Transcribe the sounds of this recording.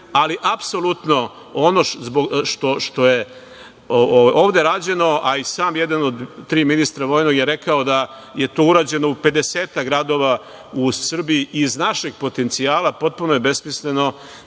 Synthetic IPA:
aliʔapso̞lˠut̪no̞ | ono̞zboɡʃt̪o̞ʃt̪o̞je̞ | oʋao̞ːʋd̪e̞ɾaːd͡ʑe̞no̞ʔaisaːmjed̪anod̪t̪ɾiːminist̪ɾaʋo̞ːjno̞ɡjeɾe̞kaod̪a | je̞t̪oːuɾaːd͡ʑe̞no̞upe̞d̪e̞seːt̪akɡɾad̪o̞ːʋa | usr̩biiʔiznaʃeɡ̚po̞t̪e̞nt̪siaːlapo̞t̪̚punojebe̞smisle̞no̞

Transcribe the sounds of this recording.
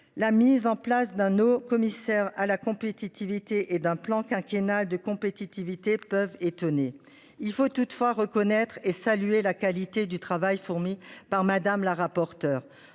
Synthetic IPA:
lamizɑ̃plasd̪ɛ̃nokɔmisɛʁalakɔ̃pet̪it̪ivit̪eʔed̪ɛ̃plɑ̃kɛ̃kʲenald̪əkɔ̃pet̪it̪ivit̪epœvet̪ɔne | ilfot̪ut̪fwaʁəkɔnɛt̪χesalyelakalit̪ed̪yt̪χavajfuʁmipaʁmad̪amlaʁapɔʁt̪œːʁ

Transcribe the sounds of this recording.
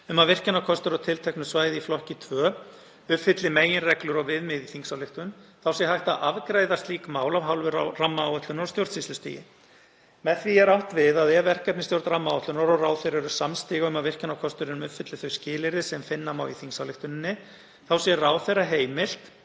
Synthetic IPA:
ʏmavɪr̥cɪnawkʰɔst̪ʏɾɔwt̪ʰɪlt̪ʰɛhknʏsvaːjðɪiflɔhcɪt̪ʰvœː | ʏpfɪt̪lɪmeːjɪnrɛklʏɾɔɣvɪðmɪðiθiŋsawlɪht̪ʏnθawsjɛɦajht̪aʔavkɾaːjðast̪liːkmaːwlavɦawlvʏɾaramːaːwœht̪ʏnaɾɔst̪jowɾt̪sislʏst̪ḭːjɪ̰ | mɛðθviɛɾawht̪vɪðaðɛvɛr̥kɛp̪̚nɪst̪jowɾt̪ɾamːaːwht̪ʏnaɾɔraːwθejɾɛɾʏ̥samst̪iːɣaʏmavɪr̥cɪnawkʰɔst̪ʏɾɪnʏmʏpfɪt̪lɪθœɥscɪːlɪɾɪsɛmfɪnːamaːwiθiŋsawlɪht̪ʏnɪnːɪ | θawsjɛraːwθejraɦeːjmɪl̥t̪

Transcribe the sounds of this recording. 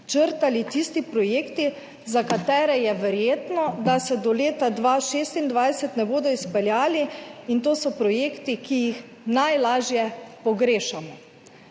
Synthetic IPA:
t͡ʃəɾt̪alit̪ist̪ipɾɔjeːkt̪i | zakat̪ɛːɾɛjɛʋɛɾjeːt̪nɔd̪asɛd̪ɔleːt̪ad̪ʋaːʃeːst̪ind̪ʋajsɛt̪nɛboːd̪ɔispɛljaːliint̪oːsɔpɾɔjeːkt̪ikijix | najlaːʒjɛpɔɡɾeːʃamɔ

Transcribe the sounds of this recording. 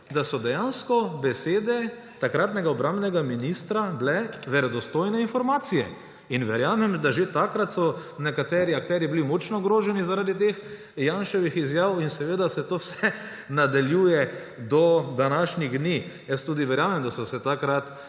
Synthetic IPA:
d̪asɔd̪ɛjanskɔbɛseːd̪ɛ | t̪akɾaːt̪nɛɡaɔbɾambnɛɡaminist̪ɾablɛʋɛɾɛd̪ɔst̪oːjnɛinfɔɾmaːt̪sijɛ | inʋɛɾjaːmɛmd̪aʒet̪akɾat̪sɔnɛkat̪ɛɾiakt̪ɛːɾjiblimot͡ʃnɔɡɾoːʒɛnizaɾaːd̪it̪ex | janʃɔʋixizjaːwinsɛʋeːd̪asɛt̪oːwsɛ | nad̪aljuːjɛ | d̪ɔd̪anaːʃnʲiɣd̪niːjəst̪uːd̪iʋɛɾjaːmɛmd̪asɔsɛt̪akɾat̪

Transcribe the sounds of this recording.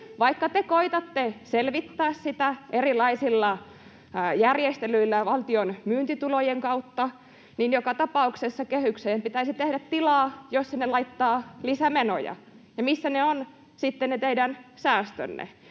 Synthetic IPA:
ʋɑikːɑt̪ekoit̪ɑt̪ːeselʋit̪ːæːssit̪æʔerilɑisilːɑ | jærjest̪elyilːæʋɑlt̪ionmyːnt̪it̪ulojeŋkɑut̪ːɑ | niːnjokɑt̪ɑpɑuksesːɑkehykseːmpit̪æisit̪ehdæt̪t̪ilɑːjosːinelɑit̪ːɑːlisæmeno̰jɑ̰ | jɑmisːæneon | sit̪ːennet̪eidænsæːst̪ø̰nːḛ

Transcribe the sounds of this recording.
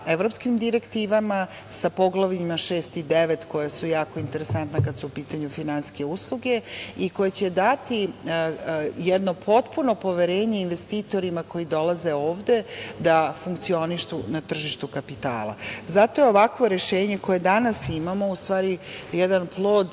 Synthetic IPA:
eʋɾo̞pskimd̪iɾe̞kt̪iːʋama | sapo̞ɡlˠaʋimaʃeːst̪id̪eʋe̞t̪ko̞jasujaːko̞int̪e̞ɾesant̪nakad̪suupiːt̪aɲufinanske̞uslˠuɡe̞iko̞jet͡ɕed̪at̪i | jɛd̪no̞pʰo̞t̪puno̞po̞ʋe̞ɾe̞ːɲe̞inʋe̞st̪iːt̪o̞ɾimako̞jid̪o̞lˠaze̞o̞ːʋd̪e̞d̪afuŋkt̪sio̞niʃt̪unat̪r̩ʒiʃt̪ukapit̪a̰ːlˠa̰zat̪o̞jeoʋakʋo̞ɾeʃeːɲeko̞je̞d̪anasimamo̞ust̪ʋaːɾijɛd̪anplˠo̞ːd̪

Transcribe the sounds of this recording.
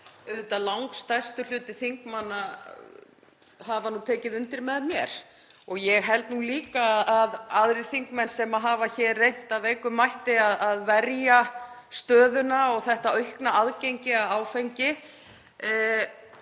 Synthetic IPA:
ʏðt̪alawŋkst̪ajst̪ʏl̥ʏːt̪ɪθiŋkmanːa | havanuːt̪ʰɛːcɪðʏnt̪ɪɾmɛðmjɛɾ̥ | ɔɣjɛɣɦɛlt̪nuliːkaːðaðaðɾɪɾ̥θiŋkmɛnsɛmaðɦaːvaçɛɾːejn̥t̪avejkʏmːajht̪ɪaðaðvɛɾjast̪œːðʏnaɔɣθɛht̪aœɥhknaaðcejɲcɪaðaːwfejɲcɪ

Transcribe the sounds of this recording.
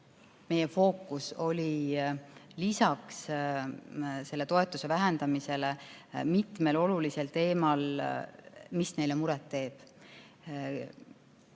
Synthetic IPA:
me̞jefo̞ːkːˑuso̞lʲi | lisɑks | se̞lːe̞t̪o̞e̞t̪ːˑuse̞væɦend̪̥ɑmise̞le | mit̪ˑme̞lo̞lulise̞lt̪e̞ːmɑl | misne̞jle̞muɾɛt̪ːe̞ːb̥

